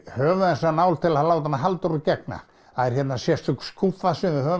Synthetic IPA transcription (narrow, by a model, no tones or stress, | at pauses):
hœːvʏɛnsanaːwlt̪ʰɪlaθalaːwt̪anːaɦalt̪ɔɾʏcɛk̚na̰ | haðɛɾ̥çjɛt̪nasjɛst̪ʏkskʰufasɪnðɪhœː